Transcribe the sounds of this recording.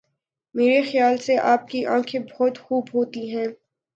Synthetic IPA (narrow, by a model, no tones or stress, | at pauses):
meːɾexjaːlseʔaːp̚kiʔã̰ːkʰebɔɔt̪xuːbɦoːt̪iɦɛ̃ː